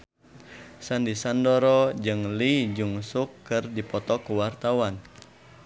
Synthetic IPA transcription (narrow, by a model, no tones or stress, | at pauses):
sandisandɔɾɔd͡ʒɨŋlid͡ʒuŋsukːɨrdipɔt̪ɔkuwart̪awan